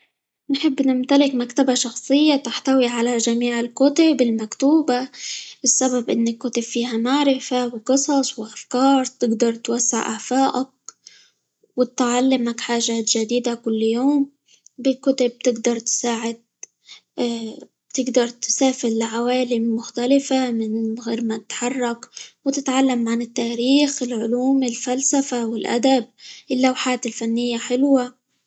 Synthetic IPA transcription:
nħɪbːnɪmt̪alɪkmakt̪abaʃɑxsˤɨjːat̪aħt̪awiʕalaʒamiːʕɪlkʊt̪abɪlmakt̪uːbabɪsːababʔɪnːɪkːʊt̪ab̥fiːhamaʕɾɪfawqɨsˤɑsˤwʔafkɑːɾˤt̪ɪɡd̪ɑɾˤt̪wasːɪ̰ʕʔa̰faːʔak̚ | wɪt̪ʕalːɪmakħaːʒaːt̪ʒ̥ad̪iːd̪akʊlːjoːm | bɪlkʊt̪ʊb̚t̪ɪɡd̪ɑɾˤt̪ɪ̥saːʕɪd̪̚ | b̥t̪ɪɡd̪ɑɾˤt̪saːfɪllaʕawaːlɪmːʊxt̪alɪfamɪnɣeːɾmat̪ɪ̥t̪ħɑrˤːɑkwt̪ɪt̪ʕalːamʕanɪt̪ːaːɾiːxɪlʕʊluːmɪlfalsafawɪlʔa̰d̪ab̚ʔɪlːawħaːt̪ɪlfanːɪjːaħɪlwa

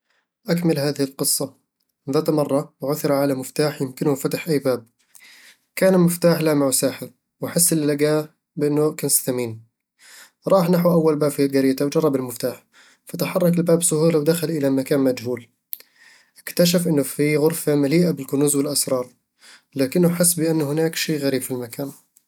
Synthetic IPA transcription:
ʔakmɪlɦaːðɪhɪlqɨsˤːɑ | ðaːt̪mɑrˤːɑwʕʊθɪɾˤʕalamɪft̪aːħjɪmkɪnhʊfat̪ɪħʔajːbaːb̚ | kaːnɪlmɪft̪aːħlamaʕwsaːħɪɾ | wʔaħɪsːɪlːaɡaː | bʔɪnːʊkɪnsθamiːn | ɾˤɑːħnaħuʔawːalbaːbfiaɡaɾɪːt̪awd͡ʒɑrˤːɑbɪlmɪft̪aːħ | fat̪aħɑrˤːɑk̬ɪlbaːbsʊhuːlawd̪axalʔɪlamakaːnmad͡ʒhuːl | ʔɪkt̪aʃ̬afʔɪnːʊfiɣʊɾfamaliːʔabɪlkʊnuːzwɪlʔasɾˤɑːɾˤ | laːkɪnːʊħɪsːbɪʔanːhɪnaːkʃiːɣaɾiːbfilmakaːn

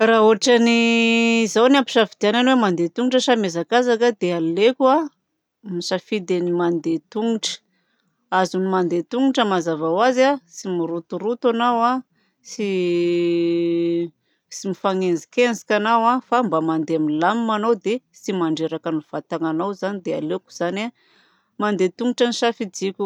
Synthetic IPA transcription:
raɦuaʈ͡ʂani | zawnampi̥ʃafid̪iananwemand̪et̪uŋiʈ͡ʂəsamezakazakad̪ealekua | misafid̪enimand̪et̪uŋuʈ͡ʂə̥ | azunimand̪et̪uŋiʈ͡ʂəmazavawazasimiɾut̪uɾut̪anawa | si | simifaŋenzi̥kend͡zi̥kʲanawafambamand̪eaminlamimanowd̪esimaɳɖ͡ʐeɾakanuv̥at̪aŋanawzanid̪ealeku̥z̥ana | mand̪et̪uŋiʈ͡ʂanisafid͡zikʲu

